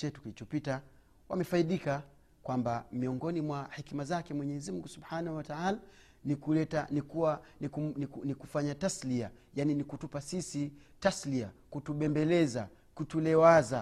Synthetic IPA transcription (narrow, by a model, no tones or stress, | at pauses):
t͡ʃɛtu̥kilit͡ʃɔpita | wa̰mɛfaiɗika | kwambamiɔŋɡɔnimwahikimazakɛmwɛɲɛɛzim̩uŋɡusubħanahuwataala | nikulɛtanikuankunikunikufaɲataslia | janinikutupasisitasliakutuɓɛmbɛlɛza | kutulɛwaza